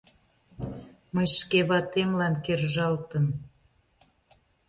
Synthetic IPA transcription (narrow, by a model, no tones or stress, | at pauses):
məjʃkeβɑt̪emlɑnkerʒɑlt̪ən